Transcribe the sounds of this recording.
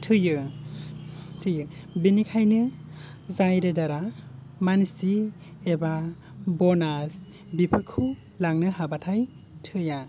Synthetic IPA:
tʰɯjɯ | tʰɯjɯbinikʰajnɯ | zajɾɯdaɾa | mansi | eba | bɔnas | bipʰɯɾkʰu | laŋnɯɦabatʰaj | tʰɯja

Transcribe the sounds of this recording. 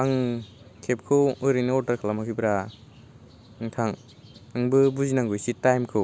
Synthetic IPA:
aŋ | kʰep̚kʰɯwɯɾɯjnɯɔtaɾkʰalamakʰibɾa | ŋtʰaŋ | aŋbɯbuzinaŋɡujsitajmkʰɯw

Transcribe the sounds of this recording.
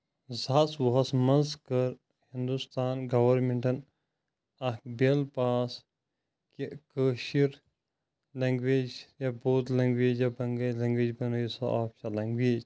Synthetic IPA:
zaswoɦɐsmɐnzkɐɾ | hĩnd̪ust̪aːnɡɐʋɐɾmeɳʈʰɐn | ɐkbelpaːs | kikəːʃiɾ | lɐŋɡʋeːd͡ʒjaboːt̪lɐŋɡʋeːd͡ʒjɐbɐŋɡɐlɐ̃ŋɡʋeːd͡ʒbɐnojisɐʔaːpʃalɐŋɡʋeːd͡ʒ

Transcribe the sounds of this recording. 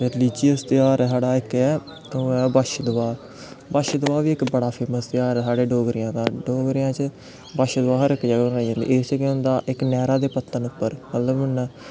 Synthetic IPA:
ɾɪliːd͡ʒɪjəst̪ɪjaːɾɛsaːɽaːɪkɛː | ɛːbaʃd̪ʊʋaː | baʃd̪ʊʋaːʋiːɪkbəɽaːpʰeːməst̪ɪjaːɾsaːɽeːɖoːɡɾɪjãːd̪aːɖoːɡɾɪjãːt͡ʃ | baʃd̪ʊʋaːɦəɾɪkːd͡ʒəɡbnaːid͡ʒãːnd̪ḭːʔet͡ʃkɪʊnd̪aːʔɪknɛːɾaːd̪eːpət̪ʰːənʊpːəɾmət̪ləbən

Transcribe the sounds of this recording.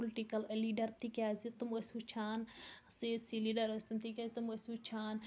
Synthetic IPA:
pulʈikɐlliːɖɐɾt̪ikʲjaːzit̪uməsʲut͡ʃʰaːnsisiliːɖɐɾosʲt̪umt̪ikʲaːzit̪uməsʲut͡ʃʰaːn

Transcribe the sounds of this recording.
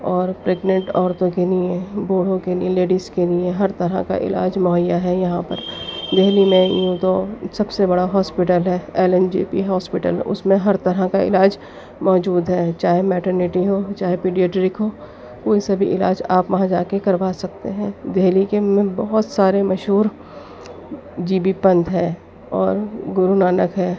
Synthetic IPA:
ɔːɾpɾeːɡnə̃ɳʈɔːɾt̪õkeliẽboːɽ̤õkeliẽleːɖiskelieɦɐɾt̪ɐɾa̰ka̰ʔɪ̰la̰ːd͡ʒmʊɦəjːaɦɛjɐɦãpə̰ɾd̪eɦlimẽjũt̪osɐbsebɐɽaɦɔːspɪʈəlɦɛːeːlɛnd͡ʒḭːpḭɦɔːspɪʈə̰lʊ̰smẽɦɐɾt̪ɐɾakaɪ̰laːd͡ʒ | mɔːd͡ʒuːd̪ɦɛːt͡ʃaːɦemɛːʈəɾnɪʈiɦot͡ʃaːɦepiːɖijeːʈɾɪkɦoː | koːisɐbʱiʔɪla̰ːd͡ʒaːpʋɐɦãd͡ʒaːkekɐɾʋaːsɐk̚t̪eɦɛ̃ːd̪eɦlikemẽbɔɦʊt̪saːɾemɐʃɦuːɾ | d͡ʒiːbipɐ̃nt̪ɦɛː | ɔːɾɡʊɾunaːnəkɦɛː

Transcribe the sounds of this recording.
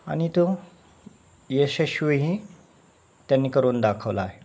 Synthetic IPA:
a̰nit̪u | jeɕeɕuɦi | t̪janːiːkəɾuːnd̪akʰəʋlaːɦe

